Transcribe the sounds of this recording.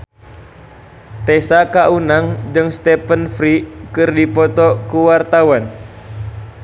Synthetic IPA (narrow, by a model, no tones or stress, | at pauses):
t̪ɛsakaʔunaŋd͡ʒɨŋst̪ɛpənfɾikɨrdipɔt̪ɔkuwart̪awan